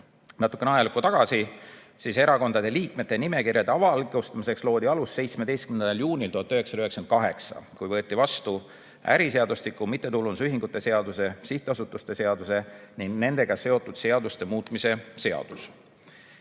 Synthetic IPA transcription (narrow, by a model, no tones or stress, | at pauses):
nɑt̪ːˑukːeneɑjɑlkːut̪ɑɡ̥ɑsi | siːse̞ɾɑko̞nd̪ɑd̪̥eliːkme̞t̪ːˑe̞nime̞kiɾjɑd̪e̞ɑvɑlɡost̪ɑmise̞kslo̞ːd̪̥iɑlusːe̞jt̪sme̞d̪ejst̪kymnenɑljuːnʲilt̪uhɑt̪ːˑyɦeksɑ̥ɑyheksen̚kɑɦe̞ksɑ̰kujvɤ̞ːt̪ːˑivɑst̪u | æ̰ɾise̞ɑd̪ust̪ikːˑumit̪ːe̞t̪ulunsyɦiŋɡ̥ut̪ːˑe̞se̞ɑd̪use̞siht̪ˑeɑsut̪ːˑust̪e̞se̞ɑd̪use̞niŋɡne̞nd̪̥e̞ɡ̥ɑse̞o̞t̪ːˑud̪̥se̞ɑd̪̥ust̪emuːt̪ˑmise̞se̞ɑ̰d̪̥us